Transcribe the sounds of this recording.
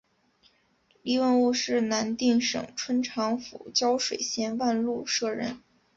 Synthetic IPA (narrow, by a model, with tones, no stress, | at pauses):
li˥˧wə˥˧nu˥˧ʂɻ̩˥˩na˧˥nt̪i˥˩ŋʂɤ̰˨˩ŋʈ͡ʂʰwə˥nʈ͡ʂʰɑ˧˥ŋfṵ˨˩t͡ɕjɑ˥ʊʂwe˨˩ɪɕjɛ˥nwa˥˧nlu˥˧ʂɤ˥˧ɻə̰˥˩n